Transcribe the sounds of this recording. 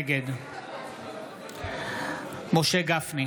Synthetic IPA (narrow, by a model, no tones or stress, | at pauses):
ɡed̪ | moʃeɡafni